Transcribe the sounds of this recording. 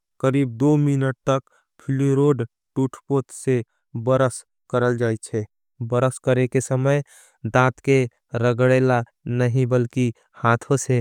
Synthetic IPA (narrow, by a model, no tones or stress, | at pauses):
kəɾiːb̚d̪ominəʈ̚t̪ək | pʰɪliɾoɖ | ʈuʈʰpot̪se | bəɾəs | kəɾəld͡ʒaːt͡ʃʰɛ | bəɾəskəɾekesəməj | d̪ãt̪ke | ɾəɡɽela | nəɦĩbəlki | hat̪ʰõse